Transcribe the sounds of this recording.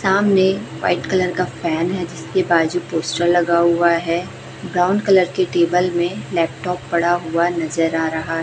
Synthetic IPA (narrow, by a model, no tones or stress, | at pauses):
saːmneʋa̰ːɪʈkɐləɾkafɛːnɦɛd͡ʒɪskebaːd͡ʒupoːsʈəɾlɐɡaɦʊaɦɛ | bɾaːʊ̃ɳɖkɐləɾkeʈeːbəlmẽlɛːp̚ʈɔːpːɐɽaɦʊanɐzəɾaːɾɐɦaɦɛ